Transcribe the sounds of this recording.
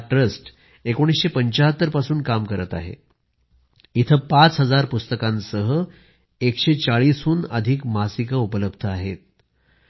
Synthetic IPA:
ʈɾəsʈ | ekoɽ̃isɕepəɲt͡ɕaɦət̪ːəɾpasuːnkamkəɾət̪a̰ɦḛ | it̪ʰəpat͡sɦəd͡zaɾpust̪əkãnsəɦə | ekɕet͡saɭiːsuːnəd̪ʱiːkmasikəupələb̚ʱd̪ʱəaɦet̪̚

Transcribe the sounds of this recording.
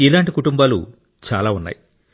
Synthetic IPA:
ilaːɳʈikuʈumbaːlṵ | t͡ʃa̰ːlaːunːa̰ːji

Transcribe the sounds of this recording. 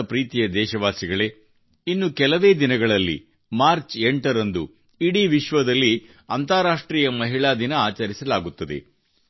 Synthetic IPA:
ɐpɾiːt̪ijɐd̪ɛːʃɐʋaːsiɡɐɭe̞ | inːukɛlɐʋe̞ːd̪inɐɡɐɭɐlːḭ | maːɾt͡ʃeɳʈɐɾɐnd̪ṵ | iɽiʋiʃʋɐd̪ɐlːi | ɐnt̪aːɾaːʂʈɾiːjɐmɐɦiɭaːd̪inɐaːt͡ʃɐɾisɐlaːɡut̪ːɐd̪ḛ

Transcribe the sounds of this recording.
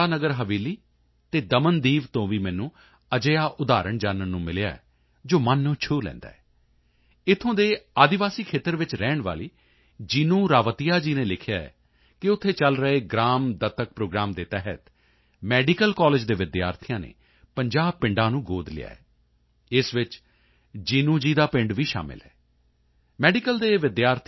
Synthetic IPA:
aːnəɡəɾɦəʋiːliː | t̪eːd̪əmənd̪iːʋt̪õːʋiːmɛːnũː | əd͡ʒəjaːʔʊd̪aːɾəɳd͡ʒaːnənːũːmɪlɪja̰ːɛ̰ː | d͡ʒoːmənːõːt͡ʃʰuːlɛ̰̃ːnd̪a̰ːɛː | ɪt̪ʰːõːd̪eːaːd̪ɪʋaːsiːkʰeːt̪əɾʋɪt͡ʃɾɛːɳʋa̰ːliː | d͡ʒɪnũːɾaːʋət̪ijaːd͡ʒiːneːlɪkʰɪjaːɛ̰ː | kɪʊt̪ʰːeːt͡ʃəlɾəeːɡɾaːmd̪ət̪ːək̚pɾoːɡɾaːmd̪eːt̪ɛɦət̪ | mɛːɖɪkəlkaːlɪd͡ʒd̪eːʋɪd̪ja̰ːɾt̪ʰɪjãːnḛː | pəɲd͡ʒaːb̚pɪ̃ɳɖãːnũːɡoːd̪lɪ̰ja̰ːɛː | ɪsʋɪt͡ʃ | d͡ʒiːnũːd͡ʒiːd̪aːpɪ̃ɳɖʋiːʃa̰ːmɪ̰lɦɛ̰ː | mɛːɖɪkəld̪eːʋɪd̪jaːɾt̪ʰ

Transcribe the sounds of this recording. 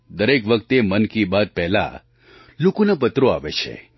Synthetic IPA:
d̪əɾekʋəkt̪emənkibad̪̚pɛɦla̰ | lukunep̬ət̪ɾoaʋet͡ʃʰḛ

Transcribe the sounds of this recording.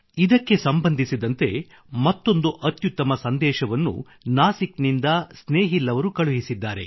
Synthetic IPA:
id̪ɐkːe̞sɐmbɐnd̪ʱisid̪ɐnt̪e̞ | mɐt̪ːo̞nd̪uʔɐt̪jut̪ːɐmɐsɐnd̪ɛːʃɐʋɐnːṵ | naːsiknind̪ɐsneːɦilːɐʋɐɾukɐɭuɦisid̪ːaːɾe̞̰

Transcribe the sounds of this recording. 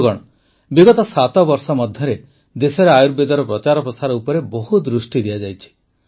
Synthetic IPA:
ɡɔɽ̃ɔ | biɡɔt̪ɔsat̪ɔbɔɾsɔmɔd̪ʱjɔɾe | d̪esɔɾeajuɾbed̪ɔɾɔpɾɔt͡ʃaɾɔpɾɔsaɾɔupɔɾebɔɦud̪ɾusʈid̪iad͡ʒajt͡ʃʰi̥

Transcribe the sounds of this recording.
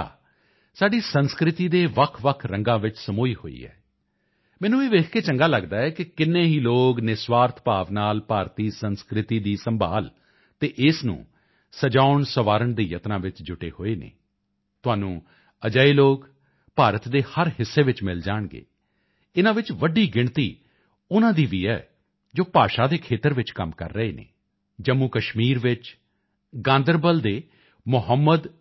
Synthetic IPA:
saːɖiːsənskɾɪt̪iːd̪eːʋəkʰʋəkʰɾəŋɡãːʋɪt͡ʃsəmoːiːho̰ːḭːɛ̰ː | mɛːnũːeːʋeːkʰkeːt͡ʃəŋɡaːləɡd̪aːɛːkɪkɪnːẽːɦiːloːɡnɪsʋaːɾt̪ʰpaːʋnaːlpaːɾt̪iːsənskɾɪt̪iːd̪iːsəmbʱa̰ːl | t̪eːʔɪsnṵ̃ː | səd͡ʒaːʊɳsəʋaːɾəɳd̪iːjət̪nãːʋɪt͡ʃd͡ʒʊʈḛːho̰ːeːnḛː | t̪ʊaːnũː | əd͡ʒaːiːloːk | paːɾət̪d̪eːhəɾɦɪsːeːʋɪt͡ʃmɪld͡ʒaːɳɡḛː | ɪnãːʋɪt͡ʃʋəɖiːɡɪɳt̪iː | ʊnãːd̪iːʋiːɛ̰ː | d͡ʒoːpaːʃaːd̪eːkʰeːt̪əɾʋɪt͡ʃkəmkə̰ɾːəeːnḛː | d͡ʒəmːuːkəʃmiːɾʋɪt͡ʃ | ɡãːnd̪əɾbəld̪eː | mʊɦəmːəd̪

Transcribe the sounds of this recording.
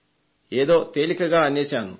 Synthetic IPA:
e̞ːðo̞ːt̪eːlikːɐɣaːɐnjeːt͡ɕaːnːu

